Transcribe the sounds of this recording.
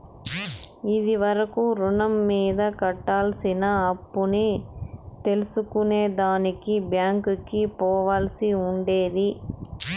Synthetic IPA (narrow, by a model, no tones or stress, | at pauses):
ɪðiʋɐɾɐkːũɾʊnɐmːiːðɐkɐʈːaːlsɪnɐːpːʊneːt̪ɛlsɯkːʊneːd̪aːnikːibjaːŋkɯkːipoːʋaːlsiʊɳɖeːɾi